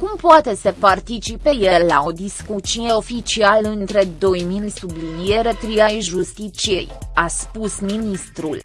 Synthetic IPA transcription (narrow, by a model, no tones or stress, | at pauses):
kumpoat̪e̞səpart̪it͡ʃipe̞je̞lao̞d̪iskut͡ʃie̞o̞fit͡ʃialɨnt̪ɾe̞d̪o̞jmilsublinije̞ɾe̞t̪ɾiajʒust̪it͡ʃiḛjaspusminist̪ɾul